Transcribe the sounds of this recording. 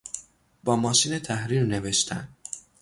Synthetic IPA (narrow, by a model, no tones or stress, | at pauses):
b̥ɒːmɒːʃiːnet̪ʰæhɾiːɾne̞ve̞ʃt̪ʰæ̰nd̪